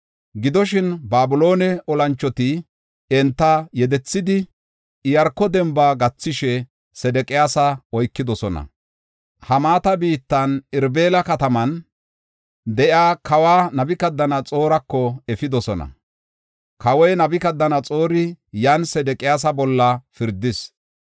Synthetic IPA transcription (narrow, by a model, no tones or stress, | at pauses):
ɡɪd̪ɔʃ̬ɪnbaːbʊlo̞ːnɛɔlɐnt͡ʃːɔt̪ɪ | ɛnt̪ːɐjɛd̪ɛt͡sːɪd̪ɪ | ɪjɐɾkːɔd̪ɛmbaːɡɐt͡sːɪʃɛ | sɛd̪ɛkʼɪjaːsɐɔjkːɪd̪ɔsɔnɐ̰ | hɐmaːt̪ɐbiːt̪ːɐnɪɾbe̞ːlɐkɐt̪ɐmɐn | d̪ɛʔjaːkɐwaːnɐbɪkɐd̪ːɐnɐt͡sʼo̞ːɾɐkːɔɛfɪd̪ɔsɔnɐ̰ | kɐwɔjnɐbɪkɐd̪ːɐnɐt͡sʼoːɾɪjɐnsɛd̪ɛkʼɪjaːs̬ɐbɔlːɐfɪɾd̪ːɪs